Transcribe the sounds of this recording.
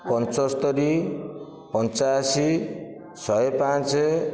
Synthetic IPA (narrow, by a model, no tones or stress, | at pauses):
pɔnt͡ʃɔst̪ɔɾi | pɔnt͡ʃajsi | sɔepãt͡ʃe